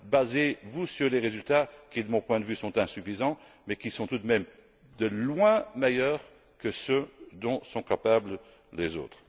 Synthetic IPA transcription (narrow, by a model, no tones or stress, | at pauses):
bazevusyʁleʁezylt̪akʲid̪əmɔ̃pwɛ̃d̪əvysɔ̃t̪ɛ̃syfizɑ̃ | mɛkʲisɔ̃t̪ud̪mɛm | d̪əlwɛ̃mejœːʁ | kəsød̪ɔ̃sɔ̃kapablə | lezo̰ːt̪χ